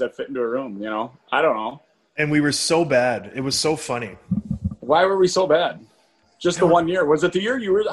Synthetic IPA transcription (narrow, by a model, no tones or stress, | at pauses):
zɨtfɪɾɪ̃n̩tʉəɹũmjɨñoʊʔaɪɾõʊ̃nːoʊ | ɨ̃nwiwə˞soʊbædɪt̚wʌz̥soʊfʌñi | waɪwə˞wisoʊbæd̥̚ | ʒ̥ʌst̪̚ðəwʌ̃nːɪɹwʌzɨt̪̚ðɨjɪɹjɨwə˞